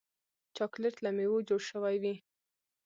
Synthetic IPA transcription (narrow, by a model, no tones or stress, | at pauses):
t͡ʃɑklɪʈ̪lamewod͡ʒoɽʃəwajwi